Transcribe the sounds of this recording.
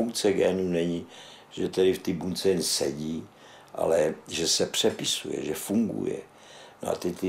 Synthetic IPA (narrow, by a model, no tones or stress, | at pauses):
wt͡sɛɡɛːnunɛɲi | ʒɛt̪ɛdɪft̪ibunt͡sɛjɛnsɛɟiː | ʔa̰lɛʒɛsɛpr̝̥ɛpɪsujɛ̰ʒɛfuŋɡṵjɛ̰ | no̰a̰t̪ɪt̪ɪ